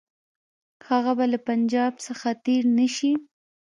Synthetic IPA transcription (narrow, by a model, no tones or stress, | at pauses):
haɣabalapand͡ʒɑbsəxat̪eɾnəʃi